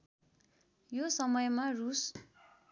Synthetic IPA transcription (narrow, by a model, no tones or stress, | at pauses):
josʌmʌjmarus